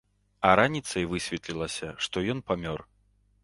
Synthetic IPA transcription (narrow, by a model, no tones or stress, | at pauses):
ɐɾanʲit̪sɐjvɨsʲvʲɛt̪lʲilˠɐsʲɐʂt̪ɔjɔnpamʲɔr